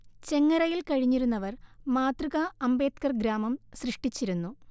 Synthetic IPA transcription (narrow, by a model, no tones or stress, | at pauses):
t͡ɕe̞ŋːɐɾɐjilkɐɻiɲːiɾunːɐʋɐrmaːt̪riɣɐːmbe̞ːt̪kɐrɡɾaːmɐmsrɨʂʈit͡ɕːiɾunːu